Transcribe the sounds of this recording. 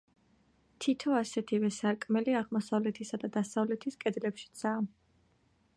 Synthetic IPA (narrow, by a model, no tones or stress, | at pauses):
t̪ʰit̪ʰɔasɛt̪ʰivɛsaɾkʼmɛliaʁmɔsavlɛt̪ʰisad̪ad̪asavlɛt̪ʰiskʼɛd̪lɛpʃi̥t̪sʰaː